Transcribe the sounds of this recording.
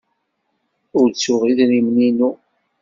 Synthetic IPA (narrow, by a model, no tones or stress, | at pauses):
ʊɾt͡sːʊʁiðnimninu